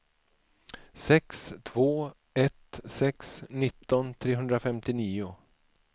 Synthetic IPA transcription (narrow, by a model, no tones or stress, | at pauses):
sɛkst̪ʰv̥oː | ɛt̪sɛksnɪt̪ːɔnt̪ʰɾeːɦɵnd̪ɾafɛmt̪ɪniːʊ